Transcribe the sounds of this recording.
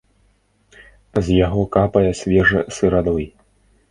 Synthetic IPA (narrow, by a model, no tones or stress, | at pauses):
zʲjaɣɔkapɐjɐsʲvʲɛʐɛsɨɾad̪ɔj